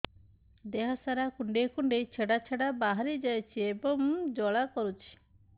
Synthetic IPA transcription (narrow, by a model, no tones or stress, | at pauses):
d̪eɦɔsaɾakuɳɖekuɳɖejt͡ʃʰeɽat͡ʃʰeɽabaɦaɾid͡ʒajt͡ʃʰiebɔŋd͡ʒɔɭakɔɾut͡ʃʰi̥